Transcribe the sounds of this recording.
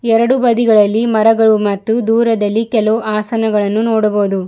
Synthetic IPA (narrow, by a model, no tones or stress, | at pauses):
ɛɾɐɽubɐd̪iɡɐɭɐlːimɐɾɐɡɐɭumɐt̪ːud̪uːɾɐd̪ɐlːikɛloːʔaːsɐnɐɡɐɭɐnːunoːɽɐbo̞ːd̪u